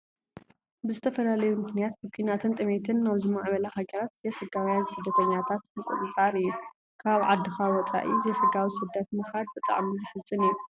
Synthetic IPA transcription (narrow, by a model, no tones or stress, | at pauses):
bɨzɨt̪ʰɐfɐlalɐjumɨknijat̪̚bɨkʰinat̪ʰɨnt̪ʼɨmet̪ʰɨnːaβzɨmaʕβɐlɐhaɡɐɾat̪z̥ɐjfɨɡawjansɨd̪ːɐt̪ʰɐɲːat̪ʰat̪ɨkʷʼṵt̪ʼɨt͡sʼaɾɨjːu | kʰaβʕa̰d̪ːɨxawɔt͡sʼa̰ʔizɐjfɨɡawisɨd̪ːɐt̪mɨxad̪̚bɨt̪ʼa̰ʕmizɨħɨzɨnɨjːu